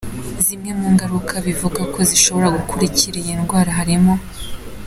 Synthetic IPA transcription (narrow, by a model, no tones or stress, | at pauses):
zimŋe̞muŋɡaɾukʰaβivuɡako̞ziʃo̞βo̞ɾaɡukʰuɾiciɾijinɡwaːɾaɦaɾimo̞